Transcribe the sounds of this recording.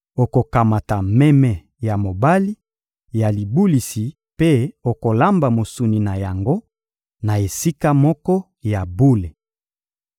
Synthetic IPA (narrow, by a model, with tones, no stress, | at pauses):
o˨ko˨ka˨ma˨ta˨mɛ˦mɛ˨ | ja˨mo˨ba˦li˦ | ja˨li˨bu˦li˨si˨ | pe˦o˨ko˨la˦mba˨mo˨su˨ni˨na˨ja˨ŋɡo˦ | na˨e˨si˦ka˦mɔ˦kɔ˦ | ja˨bu˦le˨